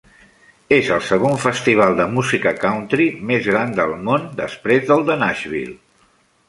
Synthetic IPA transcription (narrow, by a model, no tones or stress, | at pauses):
ezəlˠsəɣ̞oɱfəst̪iβ̞alˠd̪əmuzikəkawnt̪ɾimezɣɾand̪əlˠmond̪əspɾezðəlˠd̪ənaʒβḭl